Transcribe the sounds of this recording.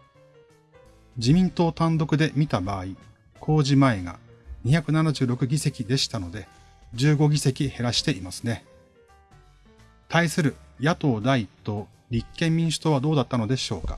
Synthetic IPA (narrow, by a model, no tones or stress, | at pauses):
d͡ʑimʲĩnt̪o̞ːt̪ãnd̪o̞kɯ̟d̪e̞mʲit̪abaːi | kʰo̞ːʑimaeɡa̰ | ɲ̟içakɯ̟nanaʑɨːɾo̞kɯ̟ɡʲise̞kʲid̪e̞ɕi̥t̪ano̞d̪e̞ | d͡ʑɨːɡo̞ɡʲise̞kʲihe̞ɾaɕi̥t̪e̞imasɨne̞ | t̪ʰaisɨɾɯ̟jat̪o̞ːd̪ait̪ːo̞ | ɾʲikːẽ̞mʲmʲĩɰ̃ɕɨ̥t̪o̞βad̪o̞ːd̪at̪ːano̞d̪e̞ɕo̞ːkḁ̰